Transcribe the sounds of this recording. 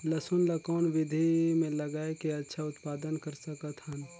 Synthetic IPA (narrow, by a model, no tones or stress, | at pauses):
ləsʊnlakɔːnʋɪd̪ʱimẽlɐɡaːekeɐtːʃʰaʊt̪paːd̪ənkəɾsəkət̪ɦən